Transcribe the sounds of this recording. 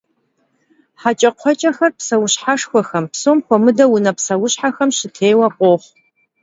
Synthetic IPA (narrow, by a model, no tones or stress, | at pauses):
ħat͡ʃʼɐqʷʰɔt͡ʃʼɐxɐrpsɐwʊɕħaʂxʷɔxɐmpsoːmxʷɔmɨdɐwʊnɐpsɐwʊɕħaxɐmɕɪtʰeːjwɐqʷʼoːχʷ